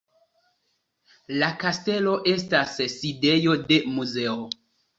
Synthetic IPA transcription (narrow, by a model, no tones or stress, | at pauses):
lakaste̞lo̞ʔe̞stasside̞jo̞de̞muze̞o